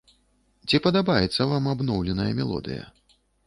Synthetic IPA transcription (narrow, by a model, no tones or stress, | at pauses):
t͡sʲipɐd̪abajɛt̪sːɐvamabnɔwlʲɛnɐjɐmʲɛlˠɔ̰d̪ɨ̰jɐ̰